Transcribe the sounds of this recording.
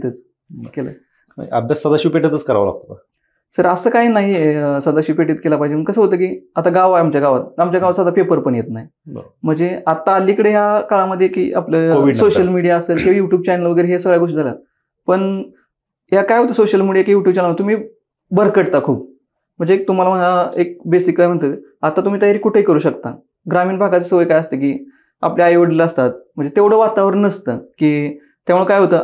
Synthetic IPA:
t̪ət͡s | kela̰ | a̰bʱjasːəd̪aɕipeʈət̪ət͡skəɾa̰ʋla̰k̚t̪ot̪a | səɾəsəːkaiːnaɦiesəd̪aɕiːpeʈet̪̚kelapaɦid͡ʑeməɡkːəsəɦot̪əːk̬iːat̪aɡaʋajamt͡ɕjaɡaʋat̪̚amt͡ɕjaɡaʋasad̪apepəɾpəɳjet̪naɦḭ | m̤əɳd͡zeat̪aːlikəɽeɦjakaɭaməd̪ʱːjekḭːʔapljəoʋisoɕəlmiɽijaəselkeʋjuʈjuːb̚t͡ɕanəlʋəɡəjɾeɦesəɡɭjaɡoʂʈd͡zʱalja̰ | pəɳ | ɦjakajɦot̪əsoɕəlmiɽijakijuʈjub̚t͡ɕanlamət̪um̤iː | bəɾkəɽt̪akʰuːp̚ | m̤əɳd͡zek̚t̪um̤alaməlaek̚besikːajm̤əɳt̪ə | at̪ːat̪um̤iːt̪əjaɾiːkuʈʰeikəɾuːɕəkt̪a̰ | ɡɾamiːnbʱaɡat͡sesəʋəjkajəst̪ek̬iː | a̰pljajʋəɽleləst̪at̪̚m̤əɳd͡zet̪eʋɽ̤əʋat̪aʋəɾnəst̪əkiː | t̪jaʋɭəkajɦot̪ə

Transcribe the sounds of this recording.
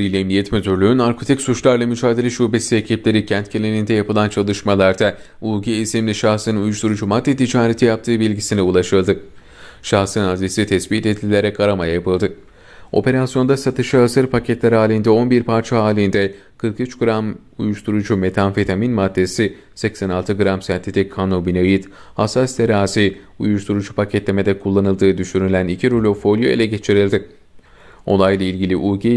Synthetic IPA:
ɾijlʲɛnijɛt̪møt̪ʰyɾlʲyynaɾkʰo̞t̪ʰicsut͡ʃlˠaɾlˠamyd͡ʒaːd̪elʲɛʃuhbesiecʰiplʲe̞ɾicʰænt̪cʰelʲenind̪ɛjapɯlˠant͡ʃʰalˠɯʃmalˠaɾd̪a | uɡiisimlʲiʃaxsɯnɯnujuʃt̪ʰuɾud͡ʒumad̪ːet̪ʰid͡ʒaːɾet̪ʰijap̚t̪ʰɯːbilʲɟisinɛulˠaʃɯlˠd̪ɯ | ʃaxsɯnazlʲesit̪ʰɛsbit̪et̪lʲilʲe̞ɾɛkaɾamajajapɯlˠd̪ɯ | o̞̰pe̞ɾasjo̞nd̪asat̪ʰɯʃɯasɯɾpʰacʰɛt̪lʲɛɾaːlʲind̪ɛo̞nbiɾpʰaɾt͡ʃʰaɦaːlʲind̪ɛ | kʰɯɾkyt͡ʃɡɯɾam | ṵjuʃt̪ʰuɾud͡ʒume̞t̪ʰanfit̪ʰaminmad̪ːe̞si | sɛcsænalˠt̪ʰɯɡɯɾamsɛnt̪ʰet̪ʰɛkʰanobineɯjɯt̪ | hasːast̪ʰeɾaːziṵjuʃt̪ʰuɾud͡ʒupʰacʰɛt̪lʲe̞me̞d̪ɛkʰulˠːanɯlˠd̪ɯːd̪yʃyɾylʲænicʰiɾulʲo̞fo̞lʲjoelʲɛɟet͡ʃʰiɾilʲd̪ɪ | o̞̰lˠajlˠailʲɟilʲiʔuːɟe

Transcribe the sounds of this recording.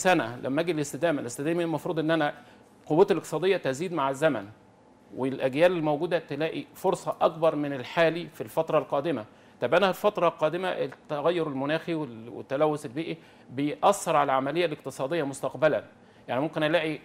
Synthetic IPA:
sænælʔæ̰mːæʔæːɡilest̪ed̪æːmælest̪æd̪æːmielmɑfɾˤuːd̪ˤʔenːʔænæ | qowːæːt̪lʔek̚t̪e̥sɑːd̪ejːæt̪æziːd̪maʕezːæmæn | welʔæɡjæːlelːmowɡuːd̪æt̪elæːʔifoɾsˤɑʔɑk̚bɑɾˤmɪnelħaːlifilfɑt̪ɾˤɑlqɑːd̪ɪmæ | t̪ɑbʔænælfɑt̪ɾˤɑlqɑːd̪ɪmæʔt̪eɣæjːɑɾelmʊnæːxiwewḛt̪ːælæwːoselbiːʔi | bejʔɑsˤːeɾˤʕalæʕamælejːæleq̚t̪ɨsˤɑːd̪ejːɑmost̪ɑqbælæn | jaʕnimomkenʔælæːʔi

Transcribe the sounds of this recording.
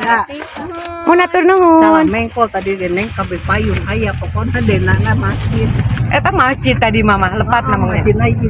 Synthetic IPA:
a | munat̪ʊrnuŋuanmaiŋkɔt̪adidɛnaiŋkabɛpajuŋajapɔkɔnadɛnanamat͡ʃit̪̚ʔɛt̪amat͡ʃit̪ːadimamahləpat̪̚namaŋɲainaii

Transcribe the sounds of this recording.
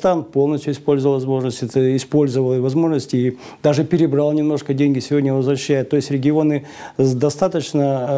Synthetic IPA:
st̪anpo̞lˠnəsʲtʲjʊɪspolʲzəvəlˠvɐzmo̞ʐnəsʲtʲɛt̪əɪspo̞lʲzəvəlˠvɐzmo̞ʐnəsʲtʲɪi | d̪aʐɨpʲɪɾʲɪbɾalˠnʲɪmno̞ʂkədʲenʲɡʲɪsʲɪvʲodʲnʲəvəzvɾɐɕːæjɪt̪ːo̞jɪsʲtʲɾʲɪɡʲɪo̞nɨ | d̪ɐst̪at̪ət͡ɕnə

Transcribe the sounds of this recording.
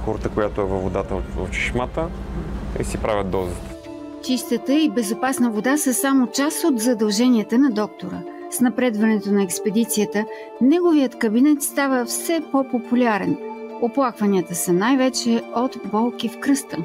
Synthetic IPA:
xɔɾt̪əkojat̪oɛvəvod̪at̪əot̪o̰t͡ʃi̥ʃmat̪ə | ḭsipɾʔavʲət̪̚d̪ɔzət̪ | t͡ʃist̪ət̪əibɛzopasnəvod̪asəsamot͡ʃasot̪zɐd̪ɐlˠʒɛniət̪ənɐd̪ɔk̚t̪oɾə̰ | snɐpɾɛd̪vɐnɛt̪onɐɛkspɛd̪it̪siət̪ə | nɛɡovijət̪kəbinɛt̪st̪avəfsɛpopopulʲaɾɛnoplˠakvɐniət̪əsənajvɛt͡ʃɛot̪bɔlˠkifkɾɤst̪ə

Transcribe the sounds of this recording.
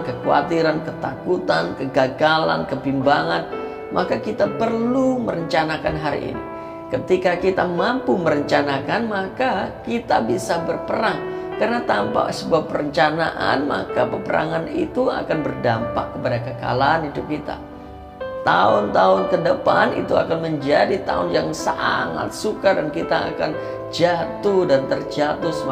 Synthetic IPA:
kəkua̰t̪iɾankət̪akut̪ankəɡaɡala̰nkəpimbaŋan | mʔakakit̪apərluməɾəɲt͡ʃanakanɦaɾḭʔḭnḭ | kət̪ikakit̪amampuməɾəɲt͡ʃanakanmakakit̪abisabərpəɾaŋkarnat̪ampa̰səbuapːəɾəɲt͡ʃanaʔa̰nma̰kapəpəɾʔa̰ŋanḭt̪ua̰kanbərdampa̰kːəpadakəka̰laːnidʊp̚kit̪a̰ | t̪aʊnt̪aʊnkədəpanḭt̪ua̰kanməɲd͡ʒadit̪a̰ʊnjaŋsaŋa̰t̪̚sukadankit̪a̰ːkan | d͡ʒat̪udant̪ərd͡ʒat̪ʊsəm

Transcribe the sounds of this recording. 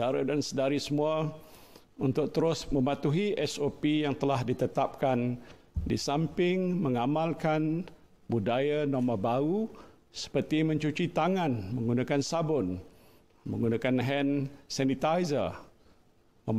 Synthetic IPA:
aɾadansədaɾisəmua | unt̪ʊk̚t̪əɾʊsmə̃mat̪uɦiʔɛsopijaŋt̪əlahdit̪ət̪ap̚kan | disampɪŋməŋamalkan | budajanomabau | sə̥pərt̪imə̃ɲt͡ʃut͡ʃit̪aŋãnməŋɡunakansabʊn | mə̰̃ŋɡunakanɦɛnsanit̪ajzə̰ | məm

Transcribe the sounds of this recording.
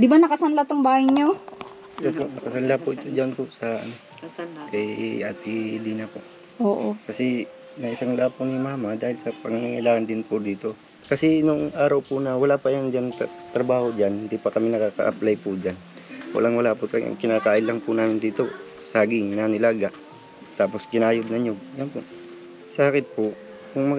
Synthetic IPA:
d̪ɪbanɐkɐsɐnlat̪oŋbaːhajɲo | opoʔnɐkɐsɐnlapʊʔɪt̪od͡ʒanpʊʔsɐɐ̰no | kɐjʔaːt̪ɪliːnɐpoʔ | ʔoːʔokɐsɛ | nɐʔɪsaŋlaːpʊnɪmaːmad̪aːhɪlsɐpɐŋaŋaŋɪlaːŋɐnd̪ɪnpʊd̪iːt̪o̞ | kɐsɛnʊŋʔaːɾɐwpʊnɐwɐlaːpɐjaŋd͡ʒan | t̪ɾɐbaːhod͡ʒanhɪnd̪ipɐkɐmɪnɐkaːkɐ̰ʔɐ̰plajpʊd͡ʒan | wɐ̰laŋwɐlaːpʊkɐ̰ŋkɪnaːkaːʔɪnlɐŋpʊnaːmɪnd̪iːt̪o | saːɡɪŋnanɪlaːɡaʔ | t̪aːposkɪnaːjʊd̪nɐɲojɐnpoʔ | saːkɪt̪̚pʊ | kʊŋmɐ

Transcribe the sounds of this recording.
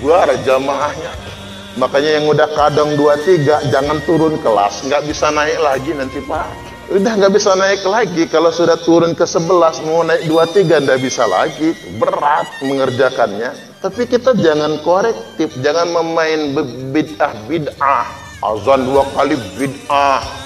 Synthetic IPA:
ɡuard͡ʒamaɦahɲa | makaɲajaŋudahkadɔŋduat̪iɡad͡ʒaŋant̪uɾʊnkəla̰sŋɡaʔbisanaɪk̚laɡinant̪ipa | udahŋɡaʔbisanaɪk̚laɡikalosudaht̪uɾʊnkəsəbəlasmaanːaɪk̚duat̪iɡandaʔbisa̰la̰ɡibəɾat̪̚məŋərd͡ʒakanɲa | t̪apikit̪ad͡ʒaŋankolɛk̚t̪ɪfd͡ʒaŋanməmaɪnbbidahbidah | ʔa̰zanduakalibidah

